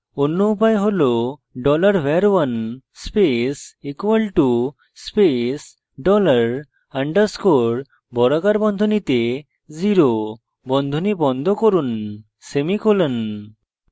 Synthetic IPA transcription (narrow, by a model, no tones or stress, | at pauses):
onːoupajɦoloɖɔlaɾweɾwan | spesikwalʈu | spes | ɖɔlaɾ | aɳɖaɾskoɽ | bɔɾaɡaɾbɔnd̪ʱonit̪e | ziɾo | bɔnd̪ʱonibɔnd̪ʱɔkoɾun | semikolən